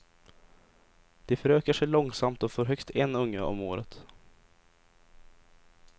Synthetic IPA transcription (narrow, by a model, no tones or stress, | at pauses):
d̪̥ɛfœɾøːkəʂɛjɭɔŋsamt̪ɔfoːɾɦœkt̪ʰɛnːɵŋːəɔ̰mo̰ːɾət̪